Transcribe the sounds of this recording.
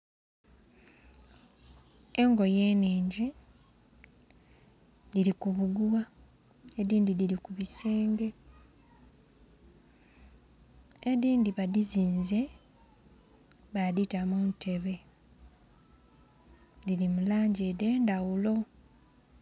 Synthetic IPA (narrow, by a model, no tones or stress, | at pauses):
eŋɡo̞je̞ːneːɲɟe | diɾikuβuɡuwa | ediːndidiɾikuβise̞ːŋɡe̞ | ediːndiβadiziːnze̞ | βaditamuːntʰe̞βe̞ | dilimulaːɲɟede̞ːndawulo̞